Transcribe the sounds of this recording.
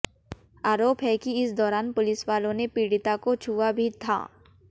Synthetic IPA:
aːɾoːpɦɛkiɪsd̪ɔːɾaːnpʊlɪswaːlõnepiːɽɪt̪akot͡ʃʰuːabʱit̪ʰa̰ː

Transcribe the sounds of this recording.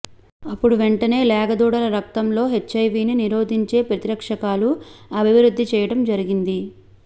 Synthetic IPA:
ɐpːuɽuʋeɳʈɐne̞ːlɛːɡɐd̪uːɽɐlɐɾɐk̚t̪ɐmlo̞ːɦet͡ʃːɐjʋiːniniɾo̞ːd̪ʱiɲt͡ʃe̞ːpɾɐt̪iɾɐkʂɐkaːluɐbʱiʋɾud̪ʱːit͡ʃɛːjɐɽɐmd͡ʒɐɾiɡind̪i

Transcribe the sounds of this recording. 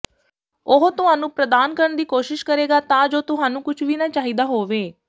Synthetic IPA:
oɦt̪ʊɦaːnũːpɾəd̪aːnkəɾəɳd̪iːkoːʃɪʃkəɾeːɡaːt̪ãːd͡ʒoːt̪ʊɦaːnũːkʊt͡ʃʰʋiːnãːt͡ʃaːɦiːd̪aːɦoːʋeː

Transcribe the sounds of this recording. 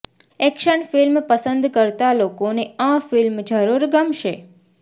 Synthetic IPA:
ɛkʃənfilmpəsənd̪kəɾt̪alokoneãfilmd͡ʒəɾuɾɡəmʃe

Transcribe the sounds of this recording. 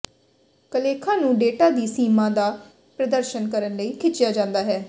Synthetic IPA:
kəleːkʰãːnũːɖeːʈaːd̪iːsiːmãːd̪aː | pɾəd̪əɾʃənkəɾənləiːkʰɪt͡ʃːɪjaːd͡ʒãːnd̪aːɦɛː

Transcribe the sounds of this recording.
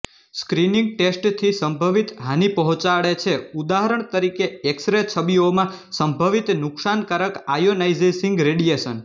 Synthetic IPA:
skɾinĩŋɡ̚ʈesʈt̪ʰisəmbʱəʋit̪ɦanipəɦɔ̃t͡ʃaɭet͡ʃʰeud̪aɦəɾəɳ̃t̪əɾikeeksɾet͡ʃʰəbiomãsəmbʱəʋit̪nʊksankaɾəkajonaid͡ʒeʃĩŋɡɾeɽijeʃən

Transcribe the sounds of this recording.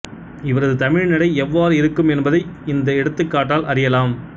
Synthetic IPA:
ɪʋɐɾɐðɯt̪ɐmɪɻnɪɽɐɪɛʋːaːɾɯɪɾɯkːɯmɛnbɐðɐɪɪnd̪ɐɛɽɯt̪ːɯkːaːʈːaːlʔɐɾɪjɐlaːm

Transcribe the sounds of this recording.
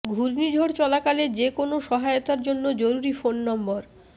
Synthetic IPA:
ɡʱuɾnid͡ʑʱoɽt͡ɕɔlakaled͡ʑekonoʃɔɦaeot̪aɾd͡ʑonːod͡ʑoɾuɾifonːɔmboɾ

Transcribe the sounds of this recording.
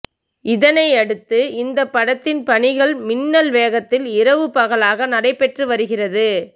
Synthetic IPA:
ɪðɐnɐɪɐɽɯt̪ːɯɪnd̪ɐpːɐɽɐt̪ːɪnpɐɳɪɣɐɭmɪnːɐlʋeːɣɐt̪ːɪlɪɾɐʋɯpɐɣɐɭaːɣɐnɐɽɐɪpːɛʈrɯʋɐɾɯɣɪrɐðɯ

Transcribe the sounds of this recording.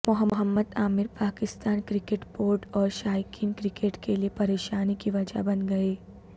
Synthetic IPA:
mʊɦəɦəmːəd̪aːmɪɾpaːkɪst̪aːnkɾɪkeːʈboːɾʈɔːɾʃaːjkiːnkɾɪkeːʈkeliepɐɾeːʃaːnikiʋɐd͡ʒa̰bɐnɡɐeː

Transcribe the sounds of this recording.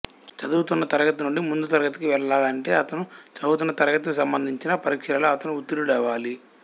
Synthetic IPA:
t͡ʃɐd̪uːt̪unːɐt̪ɐɾɐɡɐt̪ɐnuɳɖimund̪ut̪ɐɾɐɡɐt̪ɐ̥kiʋɛɭɐlaːlɐɳʈe̞ːɐt̪ɐnut͡ʃɐd̪uːt̪unːɐt̪ɐɾɐɡɐt̪ɐkusɐmbɐnd̪ʱiɲt͡ʃinɐpɐɾikʂɐlɐloɐt̪ɐnuːt̪ːiɾulɛʋaːli

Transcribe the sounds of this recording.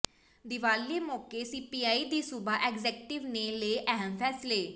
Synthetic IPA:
d̪ɪʋaːlːeːmɔːkeːsiːpiːaːiːd̪iːsʊbaːʔɛːkzɛːkʈɪʋneleːʔɛɦəmpʰɛːsleː

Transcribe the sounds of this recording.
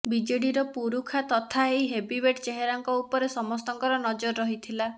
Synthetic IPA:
bid͡ʒeɽiɾɔpuɾukʰat̪ɔt̪ʰaejɦebibeʈt͡ʃeɦeɾaŋkɔupɔɾesɔmɔst̪ɔŋkɔɾɔnɔd͡ʒɔɾɔːɔɦit̪ʰila

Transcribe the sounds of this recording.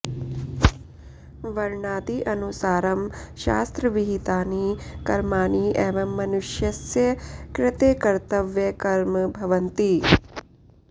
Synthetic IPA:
ʋɐɾɳaːt̪iʔɐnusaːɾɐmʃa̰ːst̪ɾɐʋiɦit̪aːnikɐɾmaːniʔeːʋɐmːɐnuʃjɐsjɐkɾɪt̪ekɐɾt̪ɐʋjɐkɐɾmɐbʱɐʋɐnt̪i

